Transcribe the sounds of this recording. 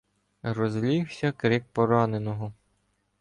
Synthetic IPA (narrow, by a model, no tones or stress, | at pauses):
rɔzlʲiwsʲɐkɾɪk̚pɔɾɑnenɔɦɔ